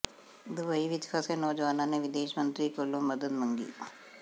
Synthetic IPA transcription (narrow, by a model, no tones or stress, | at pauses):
d̪ʊbəiʋɪt͡ʃfʰasenɔːd͡ʒʋaːnãneʋɪd̪eːʃmə̃nt̪ɾikoːlõmɐd̪əd̪mə̃ŋɡḭː